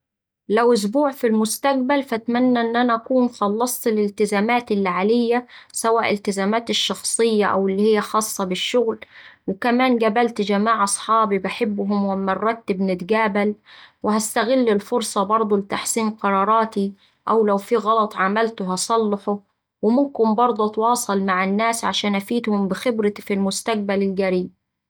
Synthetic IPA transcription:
lawʔʊs̬buːʕfilmʊst̪aɡ̚balfat̪manːaʔɪnːʔanaʔækuːnxɑlːɑsˤt̪lɪlt̪ɪzaːmaːt̪ɪlːʕalɪjːasawaːʔɪlt̪ɪzaːmaːt̪ɪʃːɑxsˤɨjːaʔawɪlːihɪjːaxɑːsˤːɑbɪʃːʊɣlwɪkamaːnɡabalt̪d͡ʒamaːʕʔɑsˤħɑːbibaħɪbːɦʊmwɪmɑrˤːɑt̪ːɪbnɪt̪ɡaːbalwɪɦast̪aɣɪlːɪlfʊɾsˤɑbɑɾˤd̪ˤulɪt̪aħsiːmqɑɾˤɑːɾˤɑːt̪i | ʔawlawfiɣɑlɑt̪ˤʕamalt̪ʊɦɑsˤɑlːɑħʊ | wɪmʊmkɪnbɑɾˤd̪ˤut̪wɑːsˤɑlmaʕanːaːsʕaʃaːnʔafiːt̪hʊmbɪxɪbɾɪfilmʊst̪aq̚balɪlɡaɾiːb̚

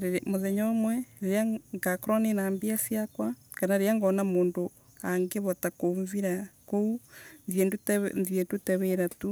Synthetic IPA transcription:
emoðeɲomwɛeɾeaŋɡakoɾonenaːmbiasiakwakanaeɾjaŋɡɔnamoːndo | aŋɡeβɔtakoɱviɾakounzjendtnzietutɛβeɾatu

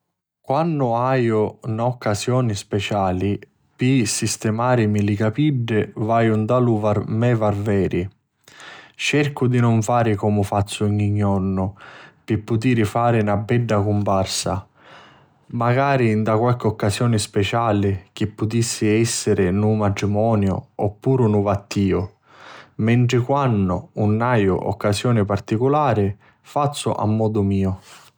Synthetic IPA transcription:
kwanːʊaːjʊnaɔkːasjɔːnispɛt͡ʃaːli | pisist̪ɛmaːɾɪmilikapiɖːɪvaːjʊnd̪aluvaɾmɛvarvɛːɾʔi | t͡ʃɛrkʊd̪inʊɱfaːɾɪkɔmʊfat̪sːʊɲiɲːɔrnʊpɪpːut̪̬iːɾɪfaːɾɪnabːɛɖːakumparsa̰ | maɡaːɾind̪akwalkɪɔkːasjɔːnɪspɛt͡ʃaːlɪk̟ɪpːʊt̪isːɪɛsːɪɾɪnumat̪ɾimɔːnjʊ̰ɔpːuːɾʊnʊvat̪ːiːʊ | mɛɳʈ̪ɾɪkwanːʊ̰ːnːajʊ̰ʔɔ̰kːasjɔːnɪpart̪ikʊlaːɾɪ | fat̪sːʊ̰ʔa̰mːɔːd̪ʊmiːʊ

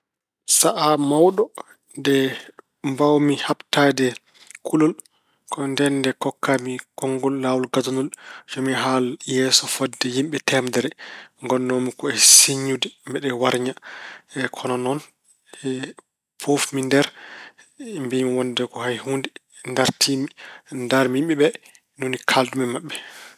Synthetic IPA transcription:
saʔamawɗɔ | ndɛ | mbawmihabtadɛ | kʰulɔl | kʰɔndɛndɛkɔkːamikɔŋɡɔlːawɔlɡadunuld͡ʒɔmiɦaljɛsɔfɔdːɛjimɓɛtɛmdɛɾɛŋɡɔnːɔmikɔɛsiɲːudɛmbɛɗɛwaɾɲaɛkʰɔnɔnɔn | ɛ | pʰofmindɛɾ | mbimiwɔndɛkɔhajhundɛ | ndaɾtʰimindaɾmimɓɛɓɛ | nonikʰaldumɛmaɓːɛ

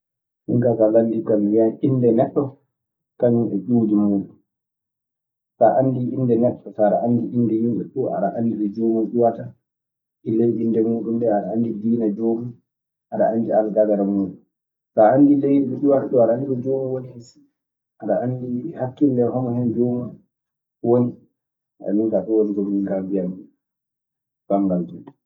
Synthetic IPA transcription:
hiŋkakalandikamjaʔindɛnɛɗːɔ | kaɲumɓɛɗudimuːɗum | saʔanːdiʔindɛnɛɗːɔsaɗaʔandiʔindɛjumɓɛ̰ɗuʔa̰ɗa̰ʔanːdiɾɔd͡ʒoːmuɗuwata | ʔilejɗindɛmuːɗumɗɛaɗaandidinad͡ʒoːmi | ʔaɗa̰anːdialaɡaɡaɾamuɗu | saandilejniɗɔɗuwataɗɔaɗaandiɾɔd͡ʒomawonihesi̥ | ʔaɗaʔandihakːildɛhɔmɔhɛnd͡ʒɔma | woni | aa̰minkaɗɔwonɡoliŋɡabijam | b̥aŋɡald͡ʒuɗɛ

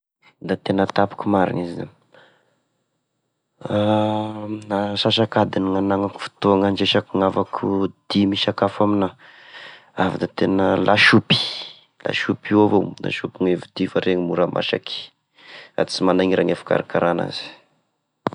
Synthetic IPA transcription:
d̪at̪enət̪apu̥kumaɾḭniziza | a | aʃaʃakad̪iniŋanaŋaku̥fi̥t̪oaŋand͡ʒeʃakuŋavakʰud̪̥imiʃakafamina | avid̪at̪enəlʔaʃupi̥ | la̰ʃupiwavona̰ʃupiŋevid̪̥ifaɾeŋimuɾamʔa̰ʃa̰ki̥ | a̰t͡simanaŋiɾʔaŋafḁka̰ɾakaɾana̰zi̥

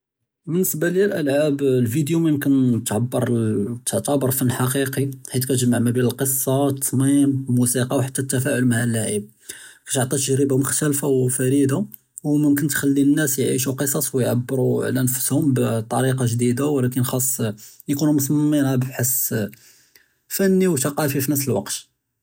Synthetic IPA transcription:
bənːəsbalilʔəlʕablfid̪juməjmkənt̪ʕabːəɾˤt̪ʕt̪ˤɑbəɾˤfənːħɑqiqiħit̪kæt̪ʒmːaʕmæbænəlqəsˤːɑt̪ːˤɑsmimmusiqɑwħat̪ːæt̪ːæfæʕʊlmaʕalːaʕib̚ | kæ̥t̪oʕt̪ˤit̪əʒɾəbamʊxt̪ælfawfæɾid̪a | wməmkənt̪xælːinːæsjʕḭʃuqəsˤɑsˤwjʕa̰bːəɾuʕlænfə̥shʊmbt̪ˤːɑɾiqɑʒd̪id̪awlækənxɑsˤː | jkunumʊsˤmmːinhæbħəs | fænːiwt̪ɑqɑfifinəfsəlwɑqt̪

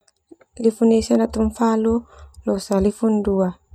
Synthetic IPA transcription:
lifunisanat̪uɱfalulɔsalifundua

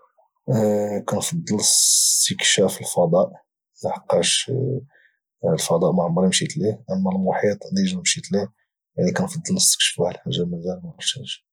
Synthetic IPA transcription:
kænfɑd̪ˤːələst̪əkʃæfəlfɑd̪ˤɑʔ | mæħɑqːɑʃ | lfɑd̪ˤɑʔmaʕmːɑɾˤmʃit̪liʔæmːælmʊħit̪ˤd̪iʒæmʃit̪li | jaʕnikænfɑd̪ˤːələst̪ə̥kʃfuhælħaʒːaməzælmæməʃæʒ

